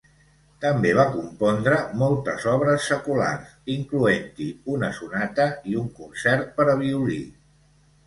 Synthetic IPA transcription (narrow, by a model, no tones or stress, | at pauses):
t̪əmbeβ̞akumpɔnd̪ɾəmɔlˠt̪ə̰zɔβ̞ɾəsːəkula̰rsiŋkluent̪iunəsunat̪əiuŋkunsɛɾt̪̚pəɾəβiuli